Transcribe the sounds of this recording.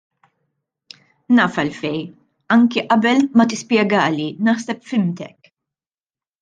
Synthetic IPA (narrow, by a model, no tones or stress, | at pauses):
nɐːfɐlfɛj | ɐŋkiʔɐbɛlmɐt̪ɪspjɛɡɐːlinɐħsɛpfɪmt̪ɛ̰k